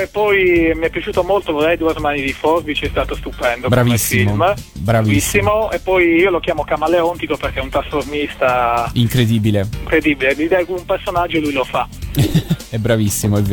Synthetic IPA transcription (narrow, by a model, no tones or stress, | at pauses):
epːɔjmiɛpːjat͡ʃuːt̪omolt̪ovolɛjd̪uermanid̪ifɔrbit͡ʃiɛst̪aːt̪ost̪upɛnd̪obɾavisːfimombɾavvissːimoepːɔjiːolokʲjaːmokamaleɔnt̪ikoperk̟eɛunt̪ɾasformist̪aiŋkɾed̪ibileiŋkɾed̪ibilelid̪ɛkuumpersonad͡ʒːolujlofa | ɛbɾavisːimoɛv